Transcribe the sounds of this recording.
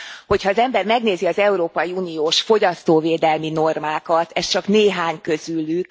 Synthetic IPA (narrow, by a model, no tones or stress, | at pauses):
ho̞chɒːzɛmbɛrmɛɡneːziɒzɛuɾoːpɒjiuːnijoːʃfo̞ɟɒst̪oːveːd̪ɛlmino̞rmaːkɒt̪ɛst͡ʃɒkneːɦaːɲkø̞zylyk